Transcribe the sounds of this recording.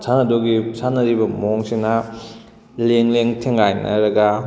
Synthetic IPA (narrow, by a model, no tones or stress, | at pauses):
sʰanɐdoɡisʰanɐɾibɐmoŋsinɐ | leŋleŋtʰeŋajnɐ̰ɾɐɡɐ